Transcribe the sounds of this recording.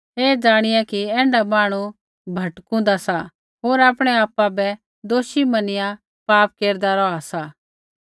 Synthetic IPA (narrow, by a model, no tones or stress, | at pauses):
ɦeːd͡zaːɽ̃ɪjakiɛ̃ːɳɖamaːɽ̃u | bʱɐʈkũnd̪asa | ɦoːɾaːpɽ̃ɛaːpːabɛ | d̪oːʃimɐnɪjã | paːp̚keːɾd̪aɾɔasa